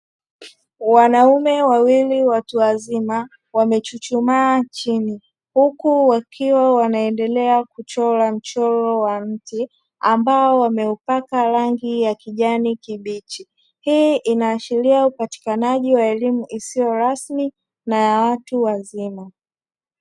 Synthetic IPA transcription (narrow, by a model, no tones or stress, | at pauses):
wanaumɛwawiliwatuwazima | wamɛt͡ʃut͡ʃumaːt͡ʃini | hukuwakʰiwawanaɛndɛlɛakut͡ʃɔlam̩t͡ʃɔlɔwam̩ti | ambaɔwamɛupakaɾaŋɡijakiʄanikiɓit͡ʃi | hiʔinaːʃiɾiaupati̥kanaʄiwaɛlimuʔisiɔɾasmi | najawatuwazima